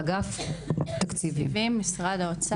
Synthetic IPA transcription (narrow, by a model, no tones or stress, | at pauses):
ɡaft̪akt͡sivḭveimːisʁad̪aot͡s